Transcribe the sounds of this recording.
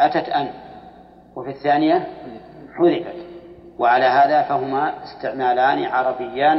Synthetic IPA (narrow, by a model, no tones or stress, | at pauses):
ʔat̪at̪ʔan | wɪfiθːaːnɪja | ħʊðɪfat̪ | wɪʕalaːɦaːðafaɦʊmaɪst̪ɪʕmaːlaːniʕɑɾˤɑbɪjːaːn